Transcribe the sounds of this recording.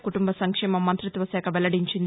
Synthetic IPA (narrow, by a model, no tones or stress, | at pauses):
kuʈumbɐsɐŋkʂɛːmɐmːɐnt̪ɾut̪ʋɐsɛːkʰɐʋɛlɐɽiɲt͡ʃind̪